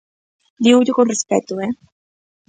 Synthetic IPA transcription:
liud̪jokonrispɛt̪ːuɛ

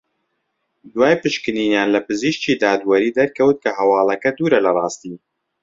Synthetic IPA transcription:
d̪waːjpɨʃkɨniːnjaːnlɐpɨziʃciːd̪aːd̪wɐɾiːd̪ɐɾkʰɐwt̪̚kʰɐɦɐwɑːlˠɐkɐd̪uːɾɐlɐrˤɑːst̪iː

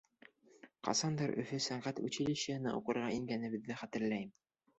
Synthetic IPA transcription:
qɑ̰sɑnd̪ɤɾʔɵ̰̆fɵsæɴʁæt̪ʉ̰t͡ɕɘ̆lɘ̆ɕɘ̆ɘ̆nɑ̰uqɤ̆ɾʁɑiŋɡænɘ̆βɘ̆ðːɘχæt̪ɘ̆ɾlæjm

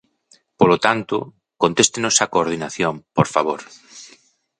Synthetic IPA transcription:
polot̪ant̪ʊ̰ | kont̪est̪enosakoːɾð̞inaθjõmpoɾfaβ̞oɾ

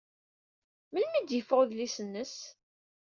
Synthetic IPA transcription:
məlmid̪jəfʁoðlisənːəs

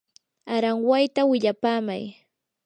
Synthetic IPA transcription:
aɾaŋwajt̪awɪʎapaːma̰j

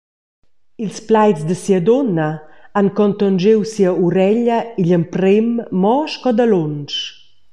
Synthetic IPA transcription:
ilsplajt͡sd̪əsiəd̪ɔnɐaŋkɔnt̪ɔnd͡ʒewsiəuɾɛʎəiʎəmpɾemːɔʃkɔd̪alonʃ

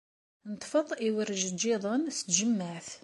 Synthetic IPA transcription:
nət̪ˤːfəðˤiwəɾʒəd͡ʒiðˤənst̪ʒəmːəʕθ

